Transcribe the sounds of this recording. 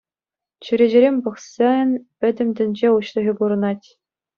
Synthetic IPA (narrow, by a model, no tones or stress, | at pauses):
t͡ɕyɾʲeʑɘ̆ɾʲemʲpɤ̆χsɑnʲpʲɘ̆dʲɘ̆mʲd̪ʲɘ̆nʲd͡ʑeuɕlˠɤ̆ɣʲibuɾɤ̆nɑtʲ